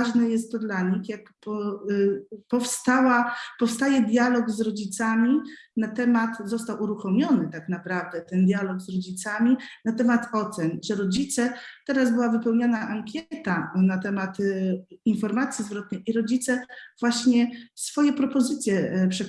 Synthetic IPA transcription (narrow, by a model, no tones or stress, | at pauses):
aʐnɛjɛst̪ːɔd̪laɲixjakpɔ | pɔfst̪awapɔfst̪ajɛd̪ʲjalɔɡzɾɔd͡ʑit̪samʲinat̪ɛmat̪zɔst̪awuɾuxɔmʲjɔnɘt̪aknapɾavd̪ɛt̪ɛnd̪ʲjalɔɡzɾɔd͡ʑit̪samʲinat̪ɛmat̪ɔt̪sɛnʐɛɾɔd͡ʑit̪sɛt̪ɛɾazbɘwavɘpɛwɲanaʔaŋkʲɛt̪anat̪ɛmat̪infɔɾmat̪sʲjizvɾɔt̪̚nɛjʔiɾɔd͡ʑit̪sɛvwaɕɲɛsfɔjɛpɾɔpɔzɘt̪sʲjɛpʂɛ